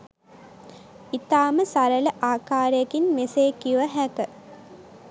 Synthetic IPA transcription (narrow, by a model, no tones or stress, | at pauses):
it̪aːməsaɾələʔaːkaːɾəjəkinmeseːkiʋəɦækə